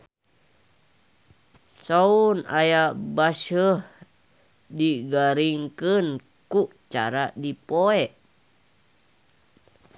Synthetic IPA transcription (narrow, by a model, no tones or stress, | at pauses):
sauna̰jabasəh | diɡaɾiŋkən | kut͡ʃa̰ɾadipoɛʔ